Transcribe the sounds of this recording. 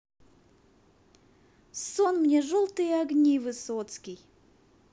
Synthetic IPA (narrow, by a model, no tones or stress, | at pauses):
sonmnʲeʐolˠt̪ɨjəɐɡnʲivɨsot̪skʲij